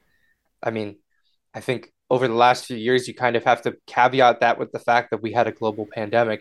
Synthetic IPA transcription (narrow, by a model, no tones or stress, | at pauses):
ʔaɪmĩn | ʔaɪθɪ̃ŋk | oʊvə˞ðəlæstfjʉjɪɹzjɨkʰãɪ̃ndʌv̥hæftɨkʰæbiat̪̚ðɨʔ̚wɨðɨfæk̚ðɨt̚wiɨɾɨɡloʊbl̩ˠpʰæ̃ndɛmɨk